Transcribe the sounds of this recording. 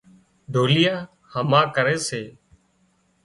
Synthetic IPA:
ɖ̪ʱoːlɪjaː | həmãːkəɾeːseː

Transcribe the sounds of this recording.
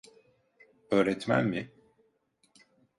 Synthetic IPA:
øːɾɛt̪mæ̰nmɪ

